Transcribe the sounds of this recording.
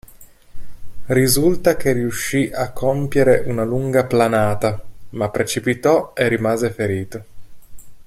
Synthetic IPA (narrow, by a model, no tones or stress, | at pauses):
rizult̪ak̟eriuʃːiʔakʰːompjeɾeʔunaluŋɡaplanaːt̪amapːɾet͡ʃipit̪ɔerːimaːzefeɾiːt̪o